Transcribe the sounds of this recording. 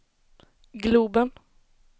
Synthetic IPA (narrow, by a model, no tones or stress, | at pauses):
ɡluːbən